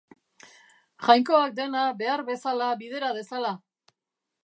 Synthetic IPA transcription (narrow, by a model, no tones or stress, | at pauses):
ʝajŋko̞ak̚d̪e̞nabe̞aɾβe̞salaβið̞e̞ɾað̞e̞sala